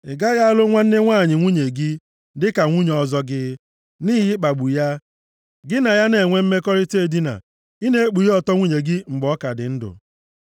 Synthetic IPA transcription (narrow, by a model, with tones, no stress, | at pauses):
ɪ˨ɡa˦ja˦a˦lʊ˦ŋʷa˦n̩˦nɪ˦ŋʷaː˦˨ɲɪ˨ŋʷu˦ɲe˨ɡɪ˦ | dɪ˦ka˨ŋʷu˦ɲ˨ɔ˨zɔ˦ɡɪ˦ | ni˦ɦɪ˦k͡pa˨ɡ͡bu˨ja˦ | ɡɪ˦na˨ja˦ne˨ŋʷe˦m̩˦me˦kɔ˦ɾɪ˦te˦di˦na̰˨ | i˦ne˦e˦k͡pu˨jɔ˨tɔ˦ŋʷu˦ɲe˨ɡɪ˦ŋ͡m̩˨ɡ͡bɔ˦ka˨dɪ˨n̩˦dʊ̰˨